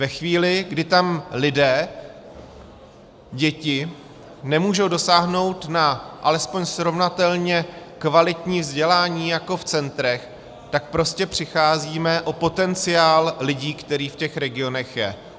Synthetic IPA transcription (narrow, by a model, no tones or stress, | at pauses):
vɛxviːlɪɡdɪt̪amlɪdɛː | ɟɛcɪ | nɛmuːʒo̞wdo̞saːɦno̞wt̪naʔalɛspoɲsɾo̞vnat̪ɛlɲɛkvalɪt̪ɲiːvzɟɛlaːɲiːjako̞ft͡sɛnt̪ɾɛx | t̪ak̚pɾo̞scɛpr̝̥ɪxaːziːmɛʔo̞po̞t̪ɛnt͡sɪaːllɪɟiːkt̪ɛɾiːfcɛxɾɛɡɪo̞nɛxjɛ̰